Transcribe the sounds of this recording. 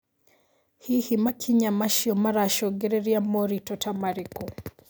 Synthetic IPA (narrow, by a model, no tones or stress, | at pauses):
hihimakʰiɲamaʃjɔmaɾaʃɔɡeɾeɾjamoɾitɔtamaɾekɔ